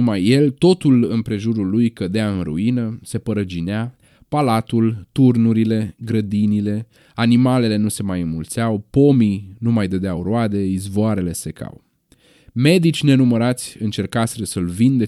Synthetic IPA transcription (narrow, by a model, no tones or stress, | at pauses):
majːe̞lt̪o̞t̪ulɨnpɾe̞ʒuɾulːujkəd̪eaɨnrṵinəse̞pəɾəd͡ʒinea | palat̪ult̪urnuɾile̞ɡɾəd̪inile̞ | animale̞le̞nuse̞majɨnmult̪seawpo̞minumajd̪əd̪eawroad̪e̞izvoaɾe̞le̞se̞kʰa̰w | me̞d̪it͡ʃʲne̞numəɾat̪sʲɨnt͡ʃe̞rkaseɾəsəlvind̪e